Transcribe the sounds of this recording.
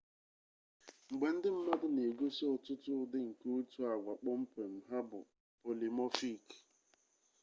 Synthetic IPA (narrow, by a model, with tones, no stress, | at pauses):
ŋ͡m̩˨ɡ͡be˨n̩˦dɪ˦m̩˦mɔ˦dʊ˦ne˨ɡo˦so˦˨tʊ˦tʊ˦dɪ˦ŋ̩˨ke˦o˦tu˦a˨ɡʷa˨k͡pɔ˦m̩˦pe˨m̩˨ɦa˦bʊ̰˨ | po˨li˨mɔ˦fi˦˨k